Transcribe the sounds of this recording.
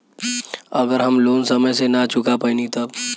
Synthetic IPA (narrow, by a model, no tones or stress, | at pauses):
ɐɡəɾɦɐmloːnsɐməjsenat͡ʃʊkapəinĩt̪ɐb